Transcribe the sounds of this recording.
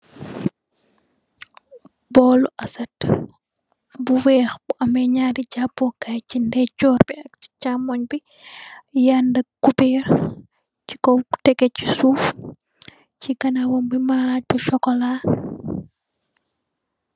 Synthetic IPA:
bɔluʔɐsɐt | buwɛxbuɐmɛɲadiɟabɔkajcindɛt͡ʃɔːɾbiɐk̚t͡ʃi̥t͡ʃamɔɲbi | jandəkubɛːɾ | t͡ʃi̥kɔtɛkɛcːi̥suːf | ciɡɐnawɔmbimaɾac̚biʃɔkɔlaː

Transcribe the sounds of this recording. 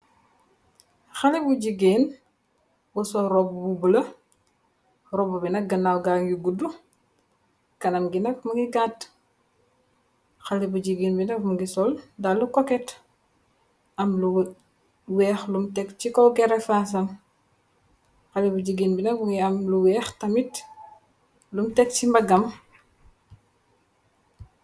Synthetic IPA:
xalibuɟiɡiːn | wusɔɾɔbbubulɐ | rɔbubinɐk̚ɡɐnawɡaŋɡiɡudu | kɐnɐmɡinɐk̚muŋɡiɡat | xalibuɟiɡiːnbinɐkmuɡisɔldalukɔkɛt | ɐmlu | wɛːxlumtɛkcikɔɡɛɾɛfaːs̬ɐm | xɐlibuɟiɡinbinɐkuŋɡiɐmluwɛːxtɐmit | lumtɛk̚t͡ʃimbɐɡɐm

